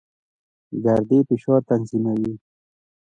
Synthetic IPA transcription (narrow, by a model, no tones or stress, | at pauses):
ɡɐɾd̪iːpiʃoːɾt̪anzimawi